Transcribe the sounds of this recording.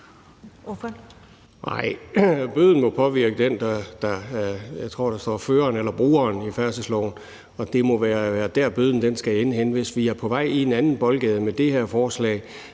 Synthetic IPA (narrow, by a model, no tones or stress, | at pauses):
ʔɑ̰ɪ̰b̥øð̞̰ˠn̩mɒ̽pʰɒ̽ʋiɐ̰ɡ̥əd̥end̥ɑd̥ɑ̈jɑɪt͡sʰʁo̝̰ɐ̰d̥ɑsd̥ɒ̰ːføːɐnelɐb̥ʁṵːɐnifæɐsəslɒ̰ʊ̰n | ɒ̽d̥e̝mɒ̽ʋæːɐʋæːɐd̥æɐ̰b̥øð̰ˠn̩d̥ensɡ̥æenəɦenʋe̝sʋiæɐpʰɒ̽ʋɑ̈ɪ̰ie̝nænn̩b̥ɒ̽lɡ̥ɛðˠmed̥e̝heɐ̰fɒːslɛ̰ːɪ